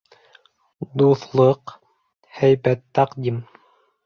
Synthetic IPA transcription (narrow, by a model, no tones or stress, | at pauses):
d̪uθlˠɤq | hæjbæt̪ːɑqd̪ʲim